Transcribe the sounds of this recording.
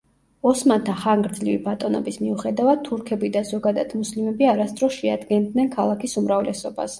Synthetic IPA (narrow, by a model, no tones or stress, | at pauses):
ɔsmant̪ʰaχaŋɡɾd̪zlivibat̪ʼɔnɔ̰bismiuχɛd̪avad̪̚t̪ʰuɾkʰɛbid̪azɔɡad̪ad̪̥muslimɛbiaɾast̪ʼɾɔʃɛa̰d̪ɡɛnd̪nɛnkʰalˠakʰisumɾavlɛsɔba̰s